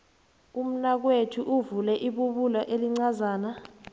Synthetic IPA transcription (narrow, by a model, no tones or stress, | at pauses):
um̩nak̬wetʰuʔuvulɛʔiɓuɓulaʔeliŋ͡ǀazaːna